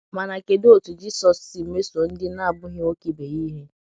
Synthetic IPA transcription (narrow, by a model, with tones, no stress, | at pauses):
ma˨na˨ke˨do˦˨tu˨d͡ʒi˦sɔ˨sɪ˨m̩˨me˦su˨o˨n̩˦dɪ˦na˦a˨bʊ˦ɦɪ˦o˦ki˨be˨ji˦ɦe˦